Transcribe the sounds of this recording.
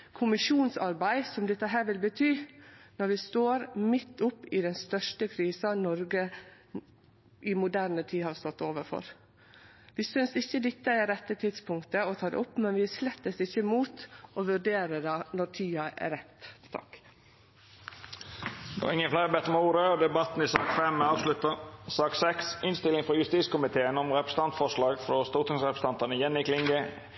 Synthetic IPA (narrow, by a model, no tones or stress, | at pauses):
kʰʊmɪʂuːnsɑɾbæɪsɔmd̪ɛt̪ːəɦæːɾʋɪlbət̪ʰyːnɔɾʋɪst̪oːɾmɪt̪ːʊpːɪd̪ɛnst̪œʂʈəkʰɾiːsɑnɔɾɡə | ʔɪmʊd̪æːɾnət̪ʰiːhɑɾst̪ɔt̪ːoːʋəɾfɔ̰ɾ | ʋɪsʏnsɪçəd̪ɪt̪ːəɪɾɛt̪ːət̪ʰɪd̪spʰʊŋkt̪əɔt̪ʰɑːd̪ɛ̰ʊpːmɛnʋɪslɛt̪ːət̪ɪçːəmuːt̪oʋʉɾɖeːɾəd̪ɑːnɔɾt̪ʰyːɑæ̰ɾɛt̪t̪ʰɑ̰k | d̪o̰ːɪŋːənflæɪɾəbɛt̪əmɛuːɾəɔd̪ɛbɑt̪n̩ɪsɑːkfɛmɑːʋslʉt̪əsɑːksɛksɪnst̪ɪlɪŋfɾɔjʉst̪iːskʊmɪt̪ʰeːənɔmɾɛpɾəst̪ɑnt̪fɔʂlɑːɡfɾɔst̪uːt̪ʰɪŋsʁɛpɾəst̪ɑnt̪ɑnəjɛnːɪkʰlɪŋɡə